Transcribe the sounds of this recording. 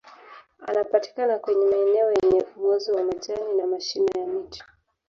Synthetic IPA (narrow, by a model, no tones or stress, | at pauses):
a̰napati̥kanakwɛɲɛmaɛnɛɔjɛɲɛuɡɔziwamaʄaninamaʃinajamiti̥